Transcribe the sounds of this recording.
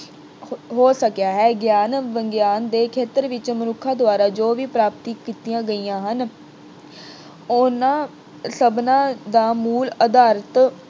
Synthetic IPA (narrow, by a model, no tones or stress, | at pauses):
ɦoːsəkjaːɦɛːɡjaːnʋəŋɡjaːnd̪eːkʰeːt̪əɾʋɪt͡ʃmənʊkʰãːd̪ʊaːɾaːd͡ʒoːʋiːpɾaːpt̪iːkiːt̪ijãːɡəiːjãːɦən | ʊnãː | səbnãːd̪aːmuːləd̪aːɾət̪